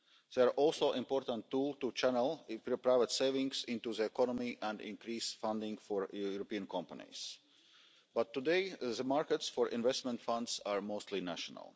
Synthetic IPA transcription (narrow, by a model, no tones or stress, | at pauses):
ð̥ɛʔɔlˠsoʊʔɪ̃mpɔɾt̪ə̃ntːuːlˠt̪ut͡ʃænəlˠpɾaɪvət̪seɪvɪ̃ŋɡsĩnt̪uðəɛkɔnɔmiʔæ̃ndɪ̰̃nkɾiːsfãnd̪ɪ̃ŋfoɹjuɾopiə̃nkʰɔ̃mpanḭs | b̥at̪ːudeɪðəmaɹkɛtsfɔɹʔɪ̃nvɛst̪mɛ̃nt̪fãnd̪saɹmoʊst̪linæʃɔnə̰lˠ